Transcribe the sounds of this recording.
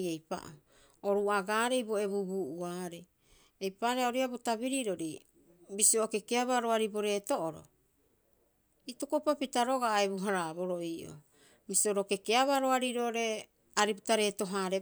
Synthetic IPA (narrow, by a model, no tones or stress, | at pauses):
ejpa̰ʔo | oɾuaɡaːɾe̞jboe̞βubuʔuaːɾe | ejpaɾeaoɾiabotabiɾiɾo̞ɾi | bisioʔoke̞keaβaɾoaɾiboɾe̞toʔoɾo̰ | itukopapitaɾo̞ɡaʔebuɦaɾabo̞ɾoiʔo̰ | bisioɾoke̞keaβaɾoaɾiɾoɾe̞ | aɾipitaɾe̞to̞ɦaɾe